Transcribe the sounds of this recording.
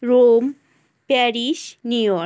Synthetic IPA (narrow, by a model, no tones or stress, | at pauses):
ɾom | pɛɾiʃnujɔ